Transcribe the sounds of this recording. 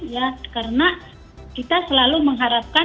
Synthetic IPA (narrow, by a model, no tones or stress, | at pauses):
jakaɾəna | kit̪asəlaluməŋɦaɾap̚ka